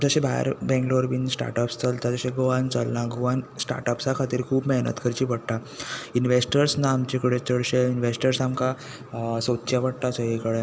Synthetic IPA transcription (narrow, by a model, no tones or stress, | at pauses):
d͡zəɕẽbʱaja̰ɾbɛ̃ŋɡloɾʋinsʈa̰ɾʈəpst͡səlt̪ad͡zəɕeɡoʋant͡səlnaɡɔʋansʈa̰ɾʈəpsakʰat̪iːɾkʰuːbmɛɦnə̰t̪kʰəɾt͡ɕiːpəɽʈ̪ainʋesʈəɾsnaːmt͡ɕekəɽet͡ɕəɽɕeinʋesʈəɾsamka | sot̪ːt͡ɕjapəɽt̪asəɦikəɽe